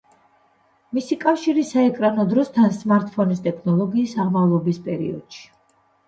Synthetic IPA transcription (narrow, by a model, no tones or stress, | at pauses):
misikʼafʃiɾisaɛkʼɾanɔd̪ɾɔst̪ʰansmaɾt̪̚ʰʼpʰɔnist̪ʼɛkʰnɔlˠɔɡiːsaʁmavlˠɔbispʼɛɾḭɔ̰d̪̥ʃi̥